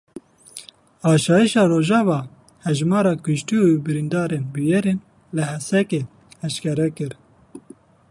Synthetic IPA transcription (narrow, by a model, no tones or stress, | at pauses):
ɑːʃɑːjiʃɑːɾoːʒɑːvɑː | hɛʒmɑːɾɑːkʊʃt̪iubɨɾind̪ɑːɾenbujɛɾeːn | lɨhɛsɛkeː | ɛʃkɛɾɛkɨɾ